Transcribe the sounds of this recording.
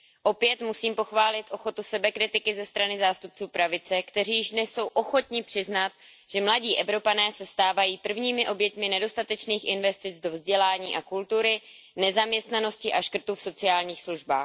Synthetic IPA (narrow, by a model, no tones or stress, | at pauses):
ʔo̞pjɛt̪musiːmpo̞xvaːlɪt̪ʔo̞xo̞t̪usɛbɛkɾɪt̪ɪkɪzɛst̪ɾanɪzaːst̪up̚t͡suːpɾavɪt͡sɛkt̪ɛriːjɪʒnɛsːo̞wʔo̞xo̞t̪ɲɪpr̝̥ɪznat̪̚ | ʒ̥ɛmlaɟiːʔɛvɾo̞panɛːsɛst̪aːvajiːpr̩vɲiːmɪʔo̞bjɛt̪mɪnɛdo̞st̪at̪ɛt͡ʃniːxʔɪnvɛst̪ɪt͡sdo̞vzɟɛlaːɲiːʔakult̪uɾɪ | nɛzamɲɛst̪nano̞scɪʔaʃkr̩t̪ufso̞t͡sɪaːlɲiːxsluʒba̰ːx